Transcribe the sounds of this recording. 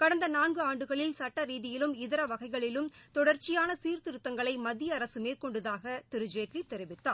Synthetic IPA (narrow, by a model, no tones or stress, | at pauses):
kɐɽɐnd̪ɐnaːnɡɯaːɳɖɯɣɐɭɪlsɐʈːɐɾiːðɪjɪlɯmɪðɪɾɐʋɐɣɐɪɣɐɭɪlɯmt̪ɔɽɐɾt͡ʃɪjaːnɐsiːɾt̪ɪɾɯt̪ːɐŋɡɐɭɐɪmɐðɪjɐːɾɐsɯmeːɾkɔɳɖɯðaːɣɐt̪ɪɾɯd͡ʒeːʈrit̪ːɛɾɪʋɪt̪ːaː